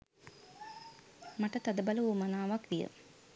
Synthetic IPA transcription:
maʈət̪ad̪əbaləumanaːʋakʋijə̰

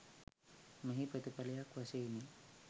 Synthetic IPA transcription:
məɦipət̪ipalejakwaseni

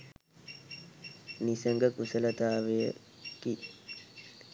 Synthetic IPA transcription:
nisəŋɡəkusələt̪aːʋejə̰ | ki

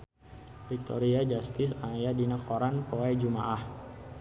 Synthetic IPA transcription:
pɾit̪ɔ̰ɾiad͡ʒast̪ɪsajadinakoɾanpoad͡ʒumaʔah

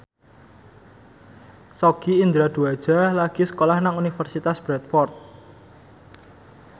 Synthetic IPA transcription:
sɔɡ̥iind̪ɾad̪̥ṳad̥ʒ̥a̤laɡ̥isə̥kolahnaŋunifərsit̪asb̥ɾɛt̪fɔrt̪̚

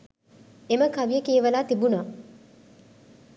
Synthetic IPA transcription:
eməkaʋijəkiːʋəlaːt̪ibunaː

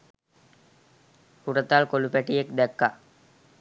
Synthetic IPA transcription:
huɾət̪aːlkolupæʈijekd̪ɛkːa

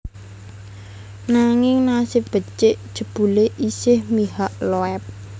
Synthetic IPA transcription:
naŋɪŋnasɪb̥ə̤t͡ʃɪʔd̥ʒ̥ə̤b̥ṳleʔisɪhmiɦaʔloɛp̚

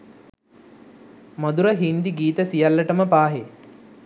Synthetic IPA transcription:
mɐd̪uɾəɦind̪iɡiːt̪əsijalːəʈəməpaːɦe

